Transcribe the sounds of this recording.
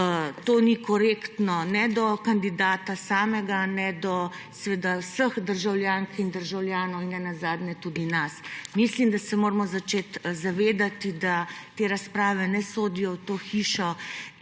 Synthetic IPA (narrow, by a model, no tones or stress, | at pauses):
t̪oːnikɔɾeːkt̪nɔnɛd̪ɔkand̪id̪aːt̪asaːmɛɡanɛd̪ɔ | sɛʋeːd̪awsəxd̪əɾʒawljaːŋkind̪əɾʒawljaːnɔwinːɛnazaːd̪ɲɛt̪ud̪inasmislimd̪asɛmoːɾmɔzat͡ʃeːt̪zaʋeːd̪at̪id̪at̪eːɾaspɾaːʋɛnɛsoːd̪ijɔwt̪oːxiːʃɔ